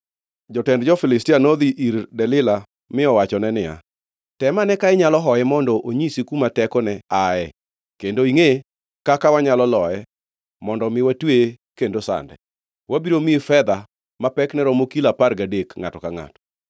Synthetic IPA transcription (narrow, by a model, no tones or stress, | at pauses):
d͡ʒɔtɛndd͡ʒɔfɪlɪstianod̪iʔiɾdɛlɪla | mɪɔwat͡ʃɔnɛnɪja̰ | tɛmanɛkaɪɲalɔɦɔjɛmɔndɔʔoɲisikumatɛkɔnɛaɛ | kendoiŋe | kakawaɲalɔlɔɛ | mɔndɔmɪwatwe | kendosa̰ndɛ | wabiɾomiefɛd̪a | mapɛknɛɾɔmokilapaɾɡadekŋatɔkaŋa̰tɔ̥